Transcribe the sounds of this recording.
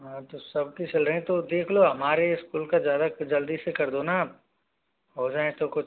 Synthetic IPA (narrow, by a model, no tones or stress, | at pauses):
ɦãt̪osɐb̚kit͡ʃɐlɾɐɦẽt̪od̪eːkʰloɦɐmaːɾeɪskuːlkazjaːd̪ad͡ʒɐld̪isekɐɾd̪ona | ɦoːd͡ʒaːẽt̪okʊt͡ʃʰ